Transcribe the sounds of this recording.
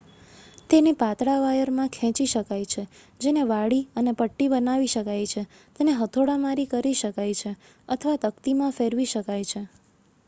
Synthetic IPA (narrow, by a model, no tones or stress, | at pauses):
t̪enepat̪ɽaʋajəɾmãkʰɛ̃t͡ʃiʃəkajt͡ʃʰe | d͡ʒeneʋaɽiənepəʈːibənaʋiʃəkajt͡ʃʰe | t̪eneɦət̪ʰoɽamaɾikəɾiʃəkajt͡ʃʰe | ət̪ʰəʋat̪əkt̪imãfeɾʋiʃəkajt͡ʃʰe